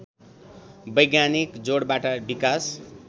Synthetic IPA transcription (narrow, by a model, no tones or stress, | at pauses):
bʌjɡjanikd͡zoɽbaʈʌbikas